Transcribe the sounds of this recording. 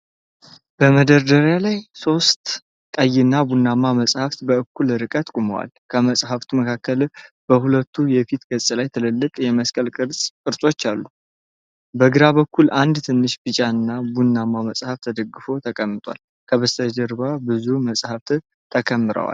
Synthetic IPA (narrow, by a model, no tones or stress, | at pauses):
b̥əməd̪əɾd̪əɾjalajso̞st̪ | kʼəjɪnːabunːamːaməsʼhaft̪bəɨkːulɾɨkʼət̪kʼuməwa̰lkʰəməsʼhaft̪ʰuməkʰakːəl | b̥əhulət̪ʰːujɛfit̪ɡət͡sʼlajt̪ʰɨlɨlːɨkʼjɛməskʼəlkʼɨɾsʼkʼɨɾsʼo̞t͡ʃːalːu | bəɡɨɾaβəkʰːulʔand̪t̪ʰɨnːɨʃbɨt͡ʃʼaɨnːabunːamːaməsʼhaft̪ʰəd̪əɡɨfo̞t̪ʰəkʼəmːɨt̪ʰʼwa̰l | kʰəβəst̪ʰəd͡ʒəɾbabɨzuməsʼhaft̪ | t̪ʰəkʰəmːɨɾə̰wa̰l